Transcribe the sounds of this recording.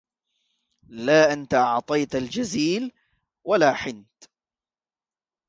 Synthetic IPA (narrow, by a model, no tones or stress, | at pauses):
laːʔant̪aʔɑʕt̪ˤɑjt̪ald͡ʒaziːl | walaːħɪnt̪